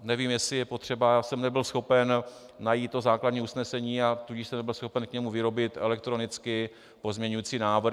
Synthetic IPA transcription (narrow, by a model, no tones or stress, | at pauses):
nɛviːmjɛsɪjɛpo̞t̪r̝̥ɛbajaːsɛmnɛbɪlsxo̞pɛnː | ajiːt̪ːozaːkladɲiːusnɛsɛɲiːat̪uɟɪʃsɛmnɛbɪlsxo̞pɛnkɲɛmuvɪɾo̞bɪt̪ɛ̰lɛk̚t̪ɾo̞nɪt͡skɪ | po̞zmɲɛɲujiːt͡siːnaːvɾ